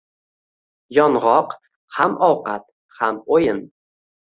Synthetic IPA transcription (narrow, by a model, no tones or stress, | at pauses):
jɒnʁɒq | hamʔɒwqat̪̚ | hamojɪn